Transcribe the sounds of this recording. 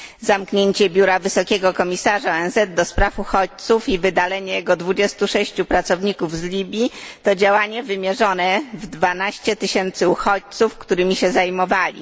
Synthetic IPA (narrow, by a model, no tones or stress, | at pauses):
zamkɲeɲt͡ɕɛbʲjuɾavɘsɔkʲɛɡɔkɔmʲisaʐaɔɛnzɛd̪̚d̪ɔspɾafuxɔt͡ɕt̪sufivɘd̪alɛɲɛjɛɡɔd̪vud͡ʑɛst̪uʂɛɕt͡ɕupɾat̪sɔvɲikuvzlʲibʲjit̪ɔd͡ʑawaɲɛvɘmʲjɛʐɔnɛvd̪vanaɕt͡ɕɛt̪ɘɕɛnt̪sɘuxɔt͡ɕt̪sufkt̪uɾɘmʲiɕɛzajmɔvalʲḭ